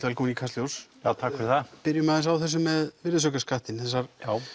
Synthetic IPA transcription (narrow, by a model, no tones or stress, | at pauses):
t̪ɛlkunikʰasjowsjaːt̪ʰaːkfɛɾɪθapɪɾjʏmaðɪnsawθɛs̬ːʏmːɛðvɪɾðsœkaskaht̪ɪnθɛs̬ːaɾ̥jaw